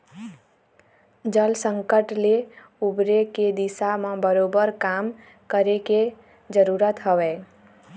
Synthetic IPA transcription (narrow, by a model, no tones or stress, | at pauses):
d͡ʒəlsəŋkəʈle | ubɾeked̪isamãbəɾobəɾkam | kəɾeke | d͡ʒəɾuɾət̪ɦəwɛ